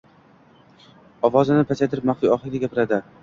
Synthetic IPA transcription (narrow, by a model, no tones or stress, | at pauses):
ɒvɒzɪnɪpʰat͡ʃʰajt̪ʰɪɾɪp̚maχfijɒχɡʲaɡʲapɪɾad̪ɪ